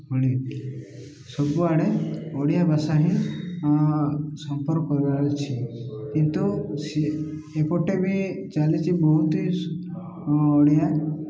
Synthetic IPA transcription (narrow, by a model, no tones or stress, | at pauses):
ɦuɽ̃i | sɔbuaɽeɔɽijabasaɦĩ | sɔmpɔɾkɔkɔɾibaɾɔt͡ʃʰikint̪usi | epɔʈebʱit͡ʃalit͡ʃʰibɔɦut̪i | ɔɽija